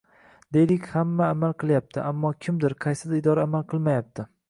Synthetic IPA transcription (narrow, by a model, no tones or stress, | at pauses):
d̪e̞jlɪkʲhamːaːmalˠqʰɨlˠjap̚t̪ʰɪʔamːɒkʲʰɪmd̪ɪɾqʰɑjsɪd̪aɪd̪ɒɾaːmalˠqʰɨlˠmajap̚t̪ʰɪ